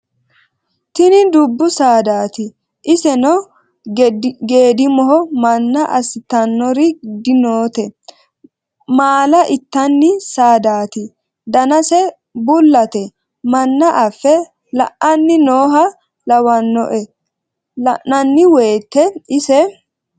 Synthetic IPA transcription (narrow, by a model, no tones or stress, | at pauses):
t̪ɪnɪd̪ʊbːʊsaːd̪aːt̪ɪ | ʔɪsɛnɔ | ɡe̞ːd̪ɪmɔɦɔmɐnːɐʔɐsɪt̪ɐnːɔɾɪd̪ɪnoːt̪ɛ | maːlɐʔɪt̪ːɐnːɪsaːd̪aːt̪ɪ | d̪ɐnɐsɛ | bʊlːɐt̪ɛ | mɐnːɐʔɐfːɛ | lɐ̰ʔɐnːɪnoːɦɐ | lɐwɐnːɔ̰ʔɛ | lɐʔnɐnːɪweːt̪ːɛɪsɛ